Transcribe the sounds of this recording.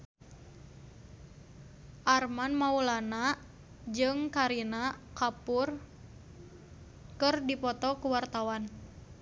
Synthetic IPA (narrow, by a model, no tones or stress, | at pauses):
ʔarmanmaulana | d͡ʒɨŋkaɾinakapur | kɨrdipɔt̪ɔkuwart̪awan